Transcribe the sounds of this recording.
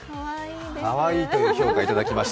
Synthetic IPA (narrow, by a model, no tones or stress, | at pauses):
paβaiːt̪oçʲo̞ːkait̪ad̪akʲimaɕi̥